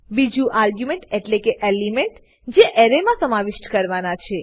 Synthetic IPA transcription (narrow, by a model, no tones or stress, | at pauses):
bid͡ʒũʔaɾɡjumẽɳʈeʈlekeʔelimeɳʈ | d͡ʒeʔeɾemãsəmaʋɪʃʈkəɾʋanat͡ʃʰe